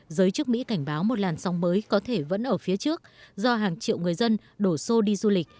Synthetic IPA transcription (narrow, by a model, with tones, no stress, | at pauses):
zəː˨˦jt͡ɕɨ˦˥ək̚mḭ˧˥ka˧˩jŋ̟ɓaː˨˦wmo˨˩t̚laː˨˩nsɔ˨˦wŋ͡mməː˨˦jkɔ˨˦t̪ʰe˧˩və̰˧˥nʔəː˧˩fi˨˦ət͡ɕɨ˦˥ək̚zɔ˧ɦaː˨˩ŋt͡ɕḭ˧˨əwŋɨ˨˩əjzə˧n | ɗo˧˩so˧ɗi˧zu˧lï˨˩k̟̚